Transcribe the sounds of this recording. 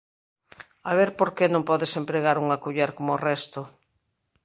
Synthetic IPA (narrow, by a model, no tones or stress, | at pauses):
aβ̞eɾpoɾkenõmpɔðesempɾeɣaɾuŋakuʎeɾkomorɛst̪o